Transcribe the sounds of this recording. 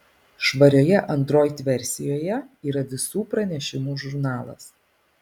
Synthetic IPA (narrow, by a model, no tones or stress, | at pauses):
ʃʋɐɾʲoːjɛʔɐnt̪ɾoːjt̪ʲʋʲɛɾʲsʲɪjoːjɛiːɾɐʋʲɪsuːpɾɐnʲɛʃʲɪmuːʒʊɾnɑːlˠɐ̰s